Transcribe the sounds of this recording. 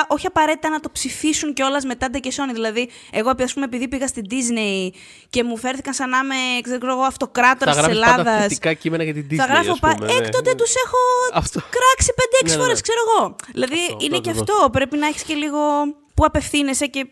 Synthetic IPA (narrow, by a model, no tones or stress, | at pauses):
ʔoçiɐpɐɾe̞t̪it̪ɐnɐt̪opsifisunceo̞lɐzme̞t̪ɐd̪ɐceso̞niðilɐði | e̞ɣoeɐspumeepiðipiɣɐst̪id̪izne̞i | ce̞mufe̞ɾθikɐnsɐnɐme̞ksekseoɣoɐft̪o̞kɾɐt̪oɐsɾsselɐðɐsikɐcimenɐɣɐt̪id̪iɐɣɾɐfopɐekt̪ot̪et̪use̞xo̞fkɾɐksipe̞nd̪eeksi̥xo̞ɾeskse̞ɾoɣo̞ðilɐðiineceɐft̪o̞pɾe̞pinɐiçi̥sce̞liɣo̞ | puɐpe̞fθine̞se̞ce̞